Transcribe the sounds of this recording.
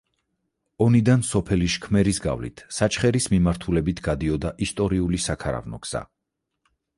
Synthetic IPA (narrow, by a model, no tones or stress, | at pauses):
ɔnid̪ansɔpʰɛliʃkʰmɛɾisɡa̰vlḭt̪ʰsat͡ʃʰχɛɾismimaɾt̪ʰulɛbit̪ʰɡ̥ad̪iɔd̪aʔist̪ʼɔɾiulisakʰaɾa̰vnɔ̰ɡz̥a̰